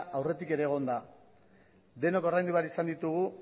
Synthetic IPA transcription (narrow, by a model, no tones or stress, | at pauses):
ʔawre̞t̪ike̞ɾe̞ːɣ̞o̞nd̪a | d̪e̞no̞ko̞rajnd̪iβaɾisand̪it̪uɣ̞u